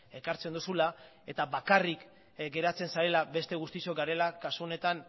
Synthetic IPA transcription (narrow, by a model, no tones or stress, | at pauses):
e̞kaɾt͡send̪usula | e̞t̪aβakarik | ɡe̞ɾat͡se̞nsaɾe̞labe̞st̪e̞ɣ̞ust̪iso̞ɡaɾe̞lakasuo̞ne̞t̪an